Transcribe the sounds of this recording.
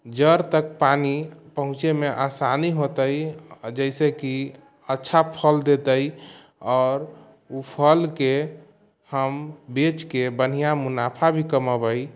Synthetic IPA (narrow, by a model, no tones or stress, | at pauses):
d͡ʒəɾt̪ək̚panipəɦũt͡ʃemeʔasaniɦot̪əjd͡ʒəɪseki | ətːʃʰapʰəld̪et̪əj | ɔːɾ | upʰəlke | həmbet͡ʃkebən̤ijamunapʰabʱikəməbəj